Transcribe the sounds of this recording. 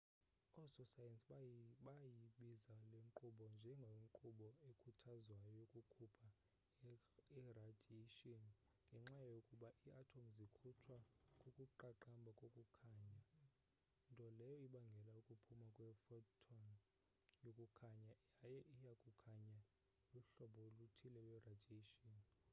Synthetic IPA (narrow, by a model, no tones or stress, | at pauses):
ɔsɔsajɛnsɓajiɓizaleŋǃuɓɔnd͡ʒʱɛŋɡʱoiŋǃuɓɔekʰutʰazwajokʼukʰupʰa | ɛradʱeʃɔn | ŋɡʱɛŋ͡ǁajokʼuɓaʔiatʰomzikʰut͡ʃʰwakʼokʼuǃaǃambʱakʼokʼukʰaːɲa | ntʼɔlɛjɔiɓaŋɡʱɛlaukʼupʰumakʼwɛfɔtʰɔn | jokʼukʰaɲajajɛʔijakʼukʰaɲa | luɬɔɓɔlutʰilɛkʼwɛradʱeʃɔn